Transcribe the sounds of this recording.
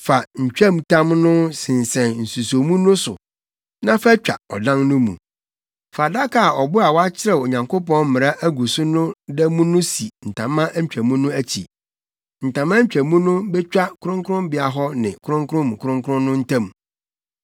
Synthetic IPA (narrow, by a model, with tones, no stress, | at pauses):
fa˨ɲ̩˨t͡ɕᶣæ̃˦mtʰã˦mnʊ̃˦sɪ̃˨n˨sɛ̃˨nn̩˨su˨so˨mũ˦nʊ̃˦sʊ˨ | nã˦fæ˦t͡ɕᶣa̰˨ɔ˨dã˦nnʊ̃˦mṵ̃˨ | fa˨da˦kʰa˨ɔ˨bʊ˦a˨wɔ˦a˦t͡ɕʰɪ˦ɾɛ˦˨o˨ɲã˨ŋko˦pɔ̃˦n˦mɪ̃˨ɾa˦ʔæ˦ɡu˨sʊ˦nʊ̃˦dɛ˦mũ˦nʊ̃˦si˨n̩˨tʰã˨mːã˦ʔ̩˦t͡ɕᶣæ˨mũ˦nʊ̃˦æ˦t͡ɕʰi˨ | n̩˨tã˨mã˦t͡ɕᶣæ˨mũ˦nʊ̃˦bɛ˦t͡ɕᶣa˦kʰʊ˦ɾʊ̃˦ŋkʊ˦ʊ̃˦mbɪ˦a˨ɦɔ˦nɪ̃˨kʰʊ˦ɾʊ̃˦ŋkʰʊ˦ɾʊ̃˦m˨kʰʊ˦ɾʊ̃˦ŋkʊ˦ʊ̃˦nʊ̃˦n̩˦tʰã˦m˨